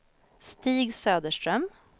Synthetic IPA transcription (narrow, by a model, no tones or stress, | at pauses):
st̪iːɡsøːd̪əʂʈ̪ɾœm